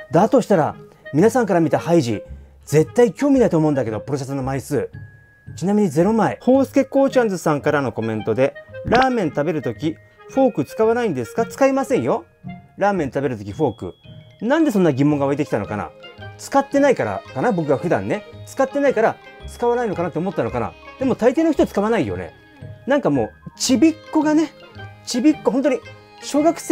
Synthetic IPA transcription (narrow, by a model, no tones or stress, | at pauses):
d̪at̪o̞ɕi̥t̪aɾa̰ | mʲinasãŋkaɾamʲit̪ahaiʑḭ | ze̞t̪ːaikʲo̞ːmʲinait̪omo̞ɯ̃nd̪ake̞d̪o̞pɯ̟ɾo̞s̬esonomaisɨː | t͡ɕinamʲiɲ̟ize̞ɾo̞maeho̞ːsɨ̥ke̞kːo̞ːt͡ɕãnzɨsãŋkaɾano̞ko̞mẽ̞nt̪o̞d̪e̞ɾaːmẽ̞nt̪abe̞ɾɯ̟t̪o̞kʲi | ɸo̞ːkɯ̟t͡sɨ̥kaβanaĩnd̪e̞sɨ̥kat͡sɨ̥kaimasẽ̞ɰ̃jo̞ | ɾaːmẽ̞nt̪abe̞ɾɯ̟t̪okʲiɸo̞ːkɯ̟̰nãnd̪e̞sõ̞nːaɡʲimõŋɡaβaɾit̪ekʲi̥t̪ano̞̰ka̰na̰t͡sɨ̥kat̪ːe̞naikaɾa̰kanabo̞kɯ̟ɡaɸɯ̟d̪ã̰nːe̞t͡sɨ̥kat̪ːe̞naikaɾat͡sɨ̥kaβanaino̞kanat̪ːeomot̪ːano̞kana̰d̪̥e̞mo̞t̪ait̪e̞ːnoçi̥t̪ot͡sɨ̥kaβ̞anaijo̞̰nḛ | nãŋkamo̞̰ːt͡ɕibʲikːo̞ɡane̞t͡ɕibʲikːo̞ɦont̪̬oɲ̟i | ɕo̞ːɡakɯ̟̥s